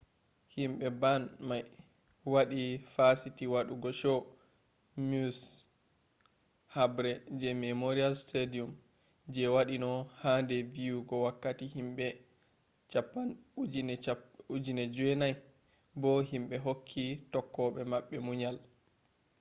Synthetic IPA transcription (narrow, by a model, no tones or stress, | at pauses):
himɓɛbanmaj | waɗifasitiwaɗuɡɔʃɔ | mus | habɾɛd͡ʒɛmɛmoɾialstedium | d͡ʒɛwaɗinɔhandɛvijuɡɔwakːatihimɓɛ | t͡ʃapːand͡ʒnud͡ʒinɛd͡ʒɛnaj | bɔɦimɓɛɦokʰːitɔkːɔɓɛmaɓːɛmuɲal